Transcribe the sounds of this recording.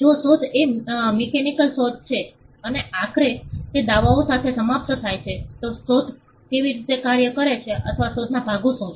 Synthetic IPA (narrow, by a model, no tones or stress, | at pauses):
d͡ʒosot̪emikenikəlsot̪̚t͡ʃʰe | əneakɾet̪ed̪aʋaõsat̪ʰesəmap̚t̪ət̪ʰajt͡ʃʰet̪osot̪ | keʋiɾit̪ekaɾjəkəɾet͡ʃʰeʔə̰t̪ʰəʋasod̪ʰʱnabʱaɡõsõ